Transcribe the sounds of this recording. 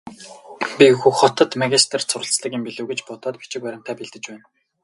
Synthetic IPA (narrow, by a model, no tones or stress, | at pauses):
pʲixuxχɔt̪ɞ̆t̪maɣʲist̪̆ʰr̥sʰʊɾə̆ɬt͡sɮə̆ɡʲiːmpiɮɘ̆wɣĕt͡ɕpɔt̪ɔːt̪pi̥t͡ɕɪ̆kpæɾʲɪ̆m̥t̪ʰæːpiɮt̪ɘ̆t͡ɕpæːn